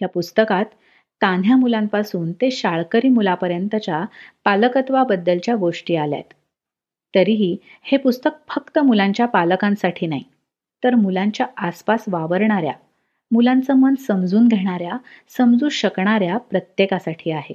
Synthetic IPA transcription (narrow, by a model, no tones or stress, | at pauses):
japust̪əkat̪ː | an̤ʱjamulampasuːnt̪eɕaɭkəɾiːmulapəɾjənt̪ət͡ɕapaləkət̪ʋabəd̪ːəlt͡ɕjaɡoʂʈiːalja̰t̪ː | əɾiɦiːhepust̪ək̚fəkt̪əmulaɲt͡ɕjapaləkãnsaʈʰiːnaɦi | t̪əɾmulaɲt͡ɕjaaspasʋaʋəɾɳaɾja̰ | mulãnt͡səmənsəmd͡zuːnɡ̪ʱeɽ̃aɾja | səmd͡zuːɕəkɳ̃aɾjapɾət̪jekasaʈʰiːaɦe